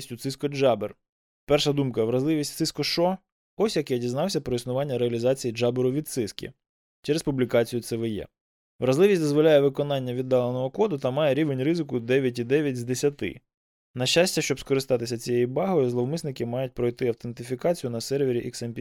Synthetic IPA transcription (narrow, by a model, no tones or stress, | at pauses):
sʲtʲʊt̪sɪskɔd͡ʒɑber | pɛrʃɐd̪umkɐʋɾɐzlˠɪʋʲisʲtʲt̪sɪskɔʃɔ | ɔsʲjɐkɛɔdʲiznɑwsʲɐpɾɔisnʊʋɑnʲːɐɾeɐlʲizɑt͡sʲijid͡ʒɑbeɾʊʋʲid̪t̪sɪskʲḭ | t͡ʃɛɾespublʲikɑt͡sʲijʊt̪sɛʋɪjɛ̰ | ʋɾɐzlˠɪʋʲisʲtʲd̪ɔzʋɔlʲajɛʋɪkɔnɑnʲːɐʋʲid̪ːɑlˠenɔɦɔkɔd̪ʊt̪ɐmɑjɛɾʲiʋenʲrɪzɪkʊd̪ɛʋʲjɐt̬ʲid̪ɛʋʲjɐtʲzd̪esʲɐt̪ɪ̰ | nɐʃasʲtʲɐʃt͡ʃɔbskɔɾɪst̪ɑt̪ɪsʲɐt͡sʲijɛjibɑɦɔjɔzlˠɔwmɪsnɪkɪmɑjʊt̚ʲpɾɔjt̪ɪɐwt̪ent̪ɪfʲikɑt͡sʲijʊnɐsɛrʋʲɪɾʲiʔɛksɛmʲpʲi